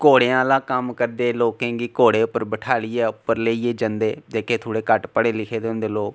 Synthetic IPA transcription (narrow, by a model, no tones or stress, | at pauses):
koːɽeːãːlãːkəmkəɾd̪eːloːkẽːɡiːkoːɽeːʊpːəɾbəʈʰaːliːɛːʊpːəɾleːiːeːd͡ʒənd̪eːd͡ʒeːkeːt̪ʰoːɽeːkəʈpəɽeːlɪkʰeːd̪eːʊ̃nd̪eːloːk